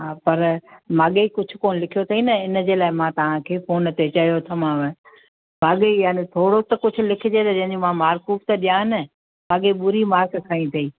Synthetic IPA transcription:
ɦaːpɐɾmãːɠekʊd͡ʑʱʊ̆koːnlɪkʰijot̪ʰɐiːnɐɪnd͡ʑeːlaːɪmãt̪ɐʋ̤ãkʰeːfoːnt̪et͡ɕɐijot̪ʰɐmãːʋə | maːɠejaːnet̪ʰoːɽot̪ɐkʊd͡ʑʰʱʊ̆lɪkʰɪd͡ʑeːt̪ɐd͡ʑɐ̃ɦɪ̃ɲd͡ʑomãmaːɾkuːbt̪ɐɗijãːɦɪnɪ | mãːɠeɓʊɾimaːɾkkʰaːĩt̪ʰɐiː

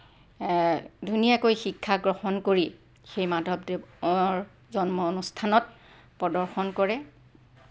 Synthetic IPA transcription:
dʱunijakojxikʰːaɡɹɔxɔnkoɹi | xejmadʱɔbdeɹ | zɔnmɔonustʰanɔt̚ | pɹɔdɔɹxɔnkɔɹɛ

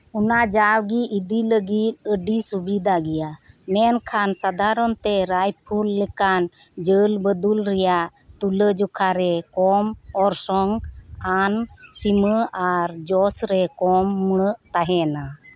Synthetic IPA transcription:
ɔnad͡ʒawɡiʔid̪iləɡit̪̚ˀəɖisubid̪ʱaɡɛjamɛnkʰansad̪aɾɔnt̪ɛɾajpʰulːɛkan | d͡ʒəlbəd̪ulɾɛjaʔt̪uləd͡ʒɔkʰaɾɛkɔmɔɾsɔŋansiməʔaɾd͡ʒɔsɾɛkɔmːəɽ̃əʔt̪aɦɛna

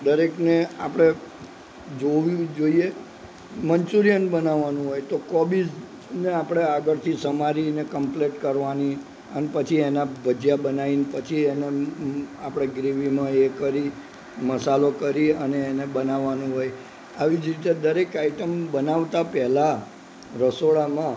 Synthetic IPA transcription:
d̪əɾeknea̰pɽ̃e | d͡ʒoʋjũd͡ʒoie | mənt͡ʃuɾijənbənaʋːanũɦojt̪okɔbid͡ʒ | neapɽ̃eaɡəɾt̪ʰisəmaɾinekəmpleʈkəɾʋani | ənepət͡ʃʰienabʱəd͡ʒjabənaʋinpət͡ʃʰiene | apɽ̃eɡɾiʋimãekəɾi | məsalokəɾiəneːnebənaʋːanũɦoj | aʋid͡ʒɾit̪ed̪əɾekaiʈəmbənaʋt̪apɛɦla | ɾəsoɭamã

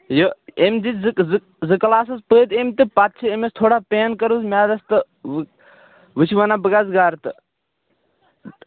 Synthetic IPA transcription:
joemd̪it̪zk | zɨkɐlaːsɐzpəːt̪emt̪epat̪̚t͡ʃʰiemest̪ʰoːɽapeːnkɐɾuzmʲaːd̪ɐst̪ɨ | ʋ | ʋɨt͡ʃʰiʋanabəɡazɡaːɾt̪ɨ

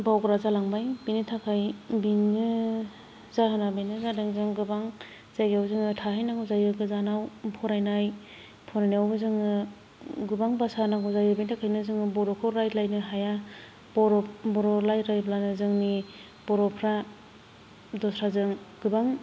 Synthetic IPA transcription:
bawɡɾazalaŋbajbinitʰakʰajbinːɯ | zaɦanabinɯzadɯŋzɯŋɡɯbaŋ | z̥ajɡawbzɯŋɯtʰaɦajnaɡɯwzajɯɡɯzanawpʰɔɾajnaj | pʰɔɾajniawbɯzɯŋɯ | ɡɯbaŋbasanaɡɔzajɯbajntʰakʰajnɯzɯŋɯbɔɾɔkʰɯwɾajtlajnɯɦaja | bɔɾɔbɔɾɔlajɾajblanɯzɯŋni | b̥ɔɾɔpʰɾa | dɔsɾazɯŋɡɯbaŋ

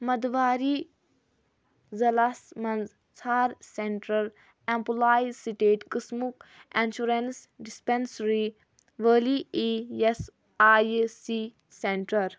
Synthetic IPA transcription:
mɐd̪ʋaːɾi | zɐlasmɐnz | t͡sʰaːɾseɳʈɾɐɾ | ẽmpulaːjsiʈeːʈkɨsmukenʃuɾensɖispensɾi | ʋəːliees | aːjsi | seɳʈɐɾ

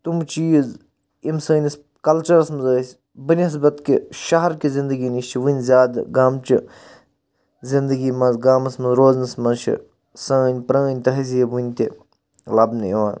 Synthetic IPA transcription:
t̪umt͡ʃiːz | imsɐːnʲis | kɐlt͡ʃɐɾɐsmɐzəːsʲ | bɨnʲiɦɐsbɐt̪kiʃɐɦɐɾkizind̪əɡinist͡ʃʰiʋɨnʲzʲjaːd̪ɡaːmt͡ʃi | zind̪əɡiːmɐzɡaːmɐsmɐzɾoːznɐsmɐnzt͡ʃʰḭ | sɐːnʲpɾɐ̃ːnʲt̪ɐɦizijebunʲt̪i | lɐbnɨiʋaːn

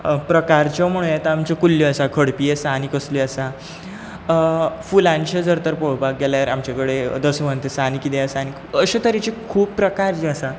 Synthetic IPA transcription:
pɾəkaɾt͡ɕɔm̤əɽ̃ũjet̪aamt͡ɕɔkulːjɔəsakʰəɽpijesanikəsliəsa | fulãɲt͡ɕed͡zəɾt̪əɾpoɽpak̚ɡɛljaɾamt͡ɕakəɽed̪əsəmənt̪esanikːit̪ẽəsañikəɕet̪əɾit͡ɕikʰuːbpɾəkaɾt͡ɕeəsã

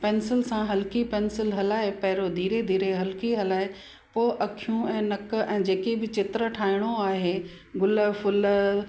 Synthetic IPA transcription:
pɛːnsɪlsãɦɐlɪkipɛːnsɪlɦɐlaːɦepɐɦɪɾod̪ʱiːɾed̪ʱiːɾeɦɐlkiɦɐlaːɦe | poːʔɐkʰijũɛ̃ːnɐk̆ɛ̃ːd͡ʑeːkebɪt͡ɕɪt̪ɾə̆ʈʰaːɦɪɽ̃oaːɦeː | ɡʊlfʊl

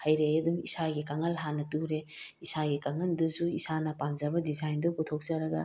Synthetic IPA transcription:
hɐjɾejɐdumisaɡikaŋɐlɦanɐtuɾe | isaɡikaŋɐnduzuisanɐpamd͡ʒɐbɐdizajndoputʰok̚zɐɾɐɡɐ

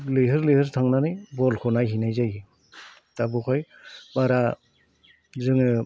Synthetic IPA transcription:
lɯɦɯɾlɯhɯɾtʰaŋnanɯjbɔlkʰɔnajɦinajzaj | tabukʰɔj | baɾa | zɯŋɯ

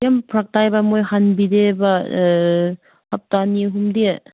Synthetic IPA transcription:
jampʰɾak̚tajbamojhanbideba | hap̚taniɦumdi

